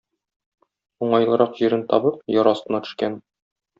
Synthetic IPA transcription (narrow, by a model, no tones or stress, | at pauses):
uɴɑjlˠɤ̆ɾɑqʑiɾɘnt̪ɒbɤp̚jɒɾɒst̪ɤ̆nɑt̪ɵ̥̆ʃkæn